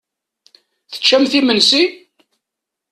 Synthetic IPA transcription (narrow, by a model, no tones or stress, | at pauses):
θə̥t͡ʃːæmθimənsi